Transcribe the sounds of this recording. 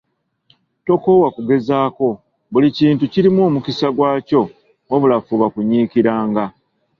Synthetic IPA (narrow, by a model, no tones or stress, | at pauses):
to̞ko̞ːwakuɡe̞zaːko̞ | βuliciːntuciɾimo̞ːmukisaɡwaːco̞ | oβulafuβakuɲiːkiɾaːŋɡa